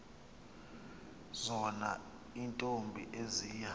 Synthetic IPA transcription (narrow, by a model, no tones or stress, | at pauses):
zɔna̰ | intʼombʱiʔeziːja